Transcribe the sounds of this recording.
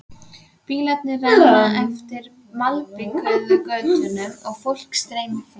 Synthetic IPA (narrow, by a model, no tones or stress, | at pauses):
piːɣlat̪̚nɪrajnaʔɛft̪ɪɾ | malpɪkœɥðʏkœɥt̪ʏnʏmaɣfowl̥kst̪ɾeːjmɪf